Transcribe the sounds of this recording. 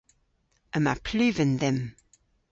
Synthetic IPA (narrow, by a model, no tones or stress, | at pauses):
əmapʰlʉːvənðɛm